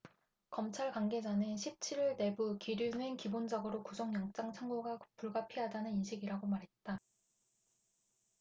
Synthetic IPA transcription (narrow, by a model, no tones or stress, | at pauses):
kʌmt͡ɕʰaɭkaŋɡe̞d͡ʑanɯnɕʰip̚t͡ɕʰiɾiɭne̞bukiɾjunenkibond͡ʑaɡɯɾokusʰʌŋjʌŋt͡ɕ͈aŋt͡ɕʰaŋɡoɡapuɭɡapʰiɦadanɯninɕʰiɡiɾaɡomaɾɦe̞t̚t͈a